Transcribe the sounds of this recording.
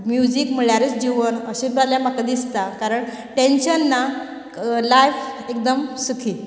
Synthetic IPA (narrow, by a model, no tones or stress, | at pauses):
mjud͡ʑikm̤əɭjaɾet͡sd͡ʑiʋənəɕẽt͡sbad̪ljamakad̪ist̪akaɾəɳ | ʈenɕənːa | lajfek̚d̪əmsukʰiː